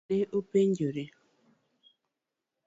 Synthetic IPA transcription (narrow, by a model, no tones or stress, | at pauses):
eʔopeɲɟoɾe